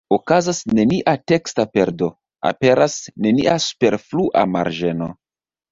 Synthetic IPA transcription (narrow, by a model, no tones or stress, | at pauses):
okazasne̞niʔate̞kstape̞ɾdo̞ | a̰pe̞ɾasne̞niʔasu̥pe̞ɾfluʔa̰ma̰ɾʒe̞no̞̰